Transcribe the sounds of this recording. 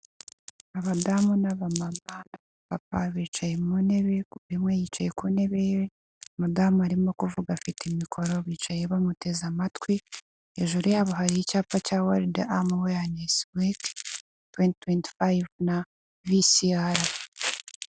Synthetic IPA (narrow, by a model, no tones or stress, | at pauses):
aβadamunaβamaβana | βap̚a̰βiːt͡ʃajemune̞βe̞imwejit͡ʃajekune̞βee | amadaːmuaɾimo̞kuvuɡafitemikʰo̞ɾo̞βiːt͡ʃajeβamute̞zamatwi | ḛʒuɾujaβuɦaɾiicaːpacawaɾdeʔamuwejaneswik | twenttwentfajvna | visiaɾa